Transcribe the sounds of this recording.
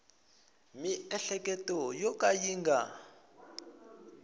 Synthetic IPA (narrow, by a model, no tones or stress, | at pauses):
miɛɬɛkɛtɔjɔkʼajiːŋɡa